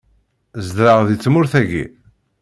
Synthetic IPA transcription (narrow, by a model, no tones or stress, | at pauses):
zd̪ɾəʁðit͡sːmʊɾθæɡḭ